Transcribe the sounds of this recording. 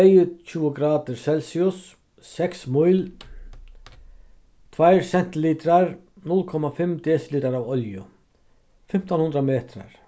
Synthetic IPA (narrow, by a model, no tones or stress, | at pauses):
ejt͡ɕʰuːəɡɾaːt̪ɪɾsɛlsiʊsː | ɛksmʊjl | t̪ʰvajɾsɛn̥t̪ɪliːt̪ɾaɾ | nʊlkʰɔmafɪmd̪ɛːsliːt̪aɾawɔljʊ | fɪm̥t̪anhʊnd̪ɾameːt̪ɾa̰ɹ̥